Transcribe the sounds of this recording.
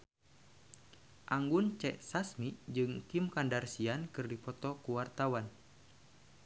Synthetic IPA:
ʔaŋɡunt͡ʃɛʔsasmid͡ʒɨŋt̪imkandarsiankɨrdipɔt̪ɔkuwart̪awan

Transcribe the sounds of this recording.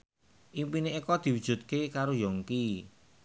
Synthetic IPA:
ʔimpineikɔd̪̥i̤wudʒ̥ṳt̪̚kekaɾojɔŋki

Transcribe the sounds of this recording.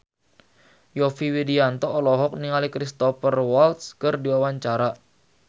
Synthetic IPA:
jɔfiwidiant̪ɔːlɔɦɔk̚niŋalikɾist̪ɔfərwɔlt̪skərdiwawaɲt͡ʃaɾa

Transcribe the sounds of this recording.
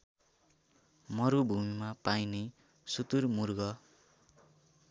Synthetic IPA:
mʌɾubʱumimapajne | sut̪urmurɡʌ

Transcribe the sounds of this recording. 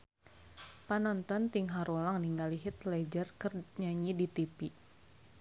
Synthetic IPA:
panɔnt̪ɔnt̪iŋɦaɾulaŋniŋɡaliɦɪt̪lɛd͡ʒərkərɲaɲidit̪ipi

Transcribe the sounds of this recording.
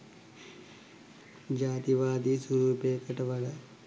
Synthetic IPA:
d͡ʒaːt̪iʋaːd̪isuɾuːpeːkɐʈɐʋɐɭɐ

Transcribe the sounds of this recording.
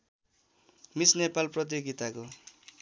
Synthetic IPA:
misnepalprʌt̪̬joɡit̪ako

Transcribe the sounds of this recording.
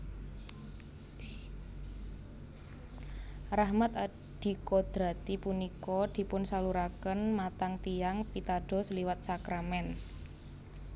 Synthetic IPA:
rahmat̪a | ɖ̥i̤kɔd̪̥ɾa̤t̪ipunikɔd̪̥i̤pʊnsaluɾakənmat̪aŋt̪iaŋpit̪aɖ̥ɔ̤sliwat̪̚sakɾamɛn

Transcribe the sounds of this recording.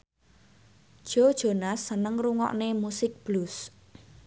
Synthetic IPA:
d̥ʒ̥o̤d̥ʒ̥o̤nasːənəŋruŋɔ̰ʔnemusɪk̚b̥lus

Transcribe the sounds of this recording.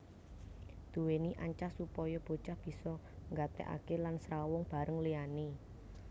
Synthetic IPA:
d̪̥ṳweniʔaɲt͡ʃasupɔjɔb̥o̤̥t͡ʃahb̥i̤sɔ | ŋɡat̪ɛ̰ʔa̰kelansɾawʊŋb̥a̤ɾəŋliani

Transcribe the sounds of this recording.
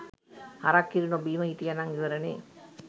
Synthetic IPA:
hɐɾakːiɾinobiːmɐɦit̪ijanaŋiʋɐɾɐnḛ

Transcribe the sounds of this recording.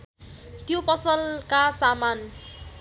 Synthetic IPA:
t̪jopʌsʌlkasaman

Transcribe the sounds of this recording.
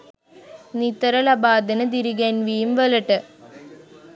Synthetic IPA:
nit̪ːɐɾɐlɐbaːd̪inɨd̪iɾiɡɐnʋijumʋelɐʈːɨ

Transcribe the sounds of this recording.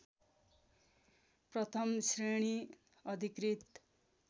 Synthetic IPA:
prʌt̪ʰʌmsreɽ̃i | ʌd̪ʱikrit̪

